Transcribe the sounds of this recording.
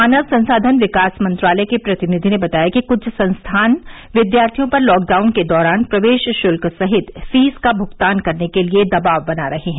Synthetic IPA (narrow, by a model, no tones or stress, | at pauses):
aːnəʋsɐ̃nsaːd̪ʱənʋɪkaːsmɐ̃nt̪ɾaːlɛekepɾɐt̪ɪnɪd̪ʱinebɐt̪aːjakikʊt͡ʃʰsɐ̃nst̪ʰaːn | ʋɪd̪jaːɾt̪ʰijõpɐɾlɔːk̚ɖaːʊnked̪ɔːɾaːnpɾɐʋeːʃʃʊlksɐɦɪt̪fiːzkabʱʊɡt̪aːnkɐɾnekelied̪ɐbaːʋbɐnaɾɐɦeɦɛ̃